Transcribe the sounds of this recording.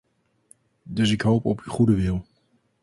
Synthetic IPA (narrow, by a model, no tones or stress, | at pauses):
dɵs̬ɪkɦowpɔpyχudəʋɪlˠ